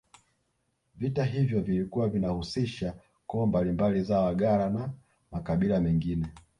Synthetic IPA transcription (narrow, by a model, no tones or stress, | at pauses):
vitaɦivjɔvilikuwavinahusiʃa | kɔːmbalimbalizawaɡalana | makaɓilamɛŋɡinɛ